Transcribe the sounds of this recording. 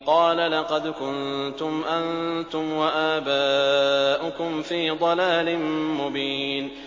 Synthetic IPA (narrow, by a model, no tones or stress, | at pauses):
qɑːlalɑqɑd̪kʊnt̪ʊmʔant̪ʊmwaʔaːbaːʔʊkʊmfiːd̪ˤɑlaːlɪnmʊbiːn